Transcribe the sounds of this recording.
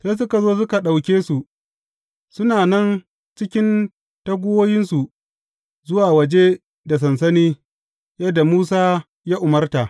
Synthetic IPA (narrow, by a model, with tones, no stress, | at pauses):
seː˦s̬ʊ˦ka˨zoː˦s̬ʊ˦ka˨ɗa˨wkʲeː˦su˨ | sʊ˦naː˨nɐ˦n | t͡ʃɪ˦kʲɪ˦n | tɐ˦ɡʷʊ˦woː˦jɪ˦nsu˨ | zʊ˦waː˨wɐ˨d͡ʒe˦ | da˨s̬ɐ˨ns̬ɐ˦niː˦ | jɐ˦dːa˨muː˦saː˦ | jaː˦ʔʊ˨mɐ˦rta˨ʔ